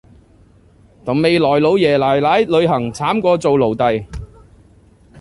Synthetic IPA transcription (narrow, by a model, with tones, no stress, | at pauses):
t̪ɐ˨˩mme˨˧jlɔː˨˩jlo˨˧˥wjɛː˨˩laː˨˩jlaː˨˥jlɵ˨˧ɥɦɐ˨˩ŋt͡sʰaː˨˥mkʷɔː˧t͡so˨˧wlo˨˩wt̪ɐ˨j